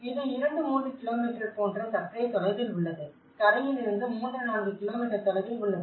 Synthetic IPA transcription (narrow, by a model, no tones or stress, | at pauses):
ɪðɯɪɾɐɳɖɯmuːndrɯkɪloːmiːʈɾɐpoːnɖrɐsɐʈːɐɪt̪ɔɭɐɪðɪlʊɭːɐðɯ | kɐɽɐŋɪlɪɾɯnd̪ɯmuːnd̪ɾɐnaːnɡɯkɪloːmiːʈːɐɾt̪ɔlɐɪðɪlʊɭːɐðɯ